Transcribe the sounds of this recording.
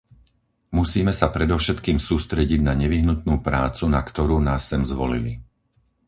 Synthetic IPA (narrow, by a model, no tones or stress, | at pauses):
musiːmɛsapɾɛd̪ɔʊʃɛt̪kiːmsuːst̪ɾɛɟiɟnaɲɛʋiɦnut̪̚nuːpɾaːt͡sunakt̪ɔɾuːnaːsːɛmzʋɔ̰lḭlḭ